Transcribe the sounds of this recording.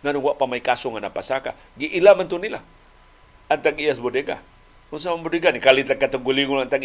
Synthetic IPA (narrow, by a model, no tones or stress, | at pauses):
ŋanuɡwaʔpamaikasʊŋanapasaka̰ | ɡiʔilamant̪unilah | ant̪akijasbodeɡa̰ | uns̬amambodeɡanikalit̪akːat̪əɡuliŋulant̪ak